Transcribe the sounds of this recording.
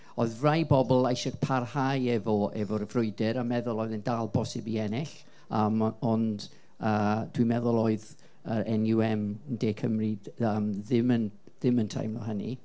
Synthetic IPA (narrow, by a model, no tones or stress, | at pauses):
oɨðrajbɔbɔlˠajʃɔkpʰarhajɛvɔʔɛvɔrəvrʊɨdɪɾamɛðʊlˠoːɨðəndalˠbɔsɪbiɛnɪɬ | əmɔnd | əːd̥wimɛðɔlˠoɨð | əɾɛnjuɛmndekʰəmriəmðɪmən | ðɪməntʰa̰jmlɔ̰ɦənḭ